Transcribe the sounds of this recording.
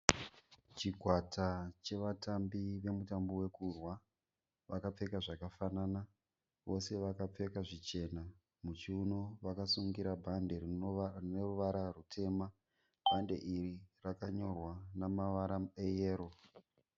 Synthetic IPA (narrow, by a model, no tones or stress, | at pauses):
t͡ʃikwatat͡ʃe̞ʋatambiʋe̞mutambowe̞kurwa | ʋakap͡fe̞kaʐakafanana | ʋo̞se̞ʋakap͡fe̞kaʐit͡ʃe̞na | mut͡ʃiuno̞ʋakasuŋɡiɾabʱande̞rinorneruʋaɾarutʰe̞ːma | b̥ʱande̞̰ʔirirakaɲo̞rwanamaʋaɾaejeːɾo̞